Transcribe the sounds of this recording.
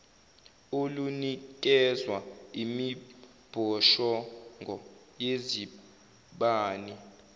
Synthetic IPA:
olunik̬ʼɛzwaimi | b̥ʱɔʃɔŋʱɔ | jezi | ɓaːni

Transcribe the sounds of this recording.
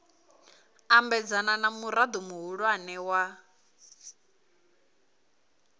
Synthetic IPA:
ambɛd͡zananamuɾad̪umuɦuɺwanɛwa

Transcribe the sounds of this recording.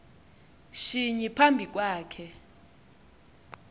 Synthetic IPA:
ʃiɲipʰambʱik̬ʼwaːkʰɛ

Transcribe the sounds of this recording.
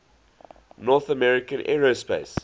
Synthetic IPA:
nɔθəmɛɹɪkə̃nʔɛ̰ɹospḛɪs

